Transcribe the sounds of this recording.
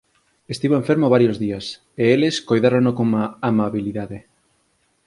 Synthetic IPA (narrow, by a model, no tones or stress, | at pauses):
est̪iβoeɱfeɾmoβaɾjozðiɐs | eeleskojðaɾoŋnokoŋaːmaβiliðaðe